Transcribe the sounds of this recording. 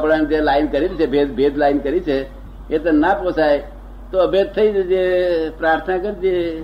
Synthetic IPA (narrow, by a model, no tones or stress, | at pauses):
pɽand͡ʒelaːɪnkəɾilt͡ʃʰebʱed̪bʱeːd̪laːɪnkəɾit͡ʃʰe | et̪ənaposaj | t̪oəbed̪̚t̪ʰəid͡ʒepɾaːɾt̪ʰənakəɾd͡ʒe